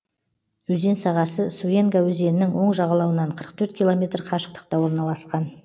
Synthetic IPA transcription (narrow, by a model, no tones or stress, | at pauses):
wɵze̞nsɑʁɑsəsue̞ŋɡawɵze̞nɪnɪŋwo̞ɴʒɑʁɑlˠɑwənɑɴqʰəɾə̥qt̪ʰɵɾt̪̚kʲijlˠomʲe̞t̪rqʰɑʃə̥q̚t̪ə̥q̚t̪ɑwo̞ɾnɑlˠɑsqɑn